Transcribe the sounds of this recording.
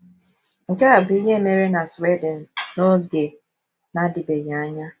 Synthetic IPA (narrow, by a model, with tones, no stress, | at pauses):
ŋ̩˨ka˦a˨bi˦ɲe˦me˨ɾe˦na˨swe˦dɪ˨n̩˨no˦ɡe˨ | na˦dɪ˨be˨ja˨a˦ɲa˦